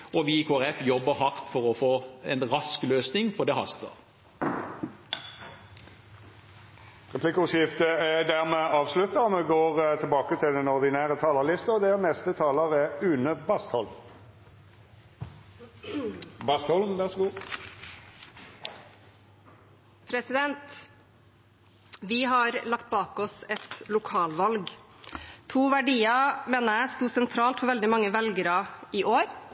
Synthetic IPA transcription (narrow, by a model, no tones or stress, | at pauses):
ʔɔʋɪkʰoːæʁɛfjɔbːəhɑʁt̪fɔʁɔfoːɛnʁɑskløːsnɪŋfɔd̪ɛːhɑ̰st̪ə̰ʁ | ʁɛpʰlɪkːsɪft̪əɛd̪æʁmɛɑːʋslʉt̪əɔmɛɡoːʁt̪ʰɪlbɑːkət̪ʰɪld̪ɛnɔʁd̪ɪnæːʁət̪ʰɑːləlɪst̪əɔd̪ɛʁnɛst̪ət̪ʰɑːləʁɛʉːnəbɑst̪hɔlm | bɑst̪hɔlʋæʁsɡuː | pʰɾɛsɪd̪ɛnt̪ | ʋɪɦɑɾlɑkt̪̚bɑːkɔsɛt̪lʊkʰɑːlʋɑlɡ | t̪ʰuːʋæɖiːɑmeːnəæst̪uːsɛnt̪ʰɾɑːlt̪fɔɾʋɛld̪ɪmɑŋːəʋɛlɡəɾɑɪʔoːɾ